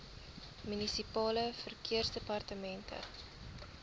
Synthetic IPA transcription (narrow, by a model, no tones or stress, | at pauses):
mynisipɑːləfərkiərsdepɐrtəmɛntʰə̰